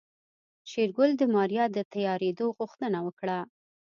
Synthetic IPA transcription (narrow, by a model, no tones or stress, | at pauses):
ʃeɾɡʊld̪əmɑɾjɑd̪ət̪ajɑɾed̪oɣuxt̪ənawəkɽa